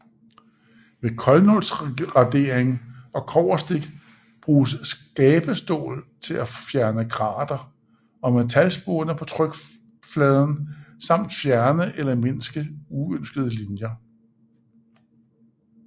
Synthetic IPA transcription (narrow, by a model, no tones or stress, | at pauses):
ʋe̝kʰɒ̽lnɔlsʁɑ̈d̥e̝̰ːɐeŋɒ̽kʰɒʊ̰ɐsd̥e̝ɡ̥ | b̥ʁuːsːɡ̥ɛːb̥əsd̥o̝̰ːlt͡sʰe̝lʔæfjæɐnəɡ̥ʁɑ̰̈ːd̥ɐ | ɒ̽met͡sʰælsb̥oːnəpʰɒ̽t͡sʰʁœɡ̥ | flɛːð̞ˠn̩sɑ̈m̰d̥fjæɐnəʔelɐmensɡ̥əuønsɡ̥əð̞ˠəlinjɐ